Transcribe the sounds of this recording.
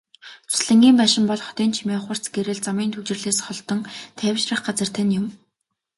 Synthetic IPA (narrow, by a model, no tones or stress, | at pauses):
t͡sʰʊ̥sɮɘ̆ŋɡʲiːmpæːʃɪ̆mpɔɮχɔ̥t̪iːnt͡ɕʰimeːχwə̆r̥t͡sɡeɾɘ̆ɮt͡samiːnt̪ʰɵt͡ɕɪ̆rɮeːsχɔɮt̪ɞ̆ŋt̪ʰæːwʲʃrə̆χɢat͡sə̆r̥t̪ʰænjʊm